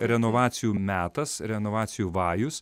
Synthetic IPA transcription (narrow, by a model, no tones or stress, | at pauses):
ɾʲɛnɔʋɑːt̪sʲɪjuːmʲæːt̪ɐsɾʲɛnɔʋɑːt̪sʲɪjuːʋɑːjʊs